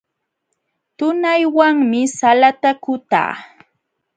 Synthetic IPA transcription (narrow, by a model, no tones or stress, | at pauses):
t̪ʊnajwaŋmɪsalat̪akʊt̪a̰ː